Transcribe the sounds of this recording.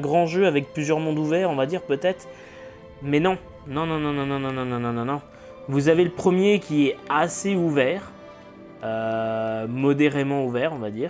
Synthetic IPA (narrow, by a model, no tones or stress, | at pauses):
ɛ̃ɡʁɑ̃ʒøavɛk̚plyzjœʁmɔ̃d̪uvɛːʁɔ̃vad̪iːʁpøt̪ɛt̪χ | mɛnɔ̃ | nɔ̃nɔ̃nɔ̃nɔ̃nɔ̃nɔ̃nɔ̃nɔ̃nɔ̃nɔ̃nɔ̃ | vuzaveləpχəmjekʲiɛaseuvɛːʁ | ø | mɔd̪eʁemɑ̃uvɛːʁɔ̃vad̪iːʁ